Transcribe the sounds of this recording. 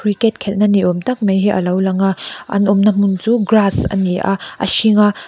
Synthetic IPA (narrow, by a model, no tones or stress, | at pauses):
kʰɾiket̚kʰelnɐniomtɐk̚mejɦeʔɐ̰lawlɐŋaɐ̰nomnɐmunzuɡɾasɐ̰nia̰ɐ̰siŋa